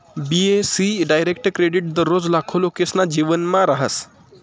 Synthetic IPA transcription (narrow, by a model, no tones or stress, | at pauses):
biesiɖajɾekʈkɾeɖiʈ̚d̪əɾːod͡zlakʰolokesnad͡ʑiʋənmaɾaɦəs